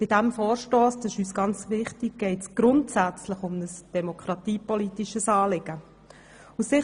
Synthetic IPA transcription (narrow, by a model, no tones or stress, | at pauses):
b̥ɪd̥æmfoːɾʃtoːsd̥ɑɪʃyːsɡ̥ɑnt͡sʋɪχtɪk̚ɡ̥ɛɪtsɡ̥ɾʊntsæt͡sləχʊmnəsd̥ɛmokχɾɑtiːpɔlitiʃəsɑːlɪɡ̥ə | usɪ